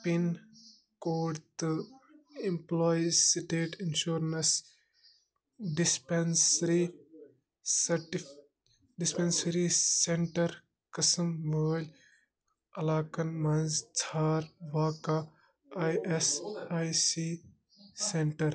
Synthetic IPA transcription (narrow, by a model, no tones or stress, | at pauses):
pin | koːɖt̪u | ĩmplɔːjizsiʈeːʈinʃuːɾnɐs | ɖispensɾi | sɐʈi | ɖɪspẽnsɐɾisẽɳʈɐɾ | kɐsɐmʋoːlʲ | ɐlaːkɐnmɐnzt͡sʰaːɾʋaːka | ajʔesajsi | sẽɳʈɐɾ